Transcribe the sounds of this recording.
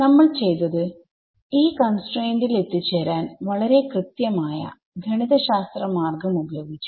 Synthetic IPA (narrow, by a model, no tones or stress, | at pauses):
nɐmːɐɭt͡ɕe̞jt̪ɐðɨ | iːkɐnsʈreːndile̞t̪ːit͡ɕːeːɾaːnʋɐɭɐɾe̞krɨt̪jɐmaːjɐ̰ | ɡʱɐɳiðɐɕaːst̪rɐmaːrɡɐmubɐjo̞ːɡit͡ɕːu̥